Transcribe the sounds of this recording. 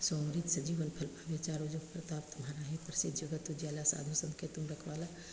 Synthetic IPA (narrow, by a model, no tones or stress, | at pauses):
somɾit̪sɐd͡ʒiːʋənpʰɐlpaʋet͡ʃaːɾod͡ʒopɾɐt̪aːpt̪ʊmɦaːɾaɦipɾsɪd̪ʱjoɡət̪ud͡ʒjaːlasa̰ːd̪ʱusɐ̃nkʰet̪ʊmɾɐkʰʋaːla